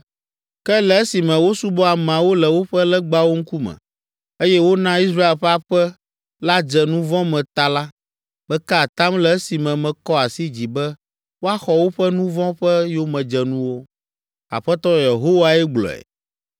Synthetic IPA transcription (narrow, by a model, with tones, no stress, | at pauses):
kɛ˦lɛ˨e˦si˨mɛ̃˨wo˦su˦bɔ˦a˨m̃˨ã˨wo˦lɛ˨wo˦ɸɛ˦lɛ˦ɡ͡ba˦wo˦ŋ̩˦ku˦mɛ̰̃˨ | e˦jɛ˦wo˦nã˦i˦sɾa˦e˨lɸɛ˦a˦ɸɛ˦ | la˦d͡ʒɛ˨nũ˦vɔ̃˦mɛ̃˨t̪a˦la˦ | bɛ˦ka˦a˨t̪ã˦mlɛ˨e˦si˨mɛ̃˨mɛ̃˨kɔ˦a˨si˦d͡ʑi˨bɛ˦ | wo˦a˦xɔ˨wo˦ɸɛ˦nũ˦vɔ̃˦ɸɛ˦jo˦mɛ̃˨d͡ʒɛ˨nũ˦wo˦ | a̰˨ɸɛ˦t̪ɔ˦je˨ɦo˦wa˨ɛ˦ɡ͡blɔ̰˨ɛ̰˨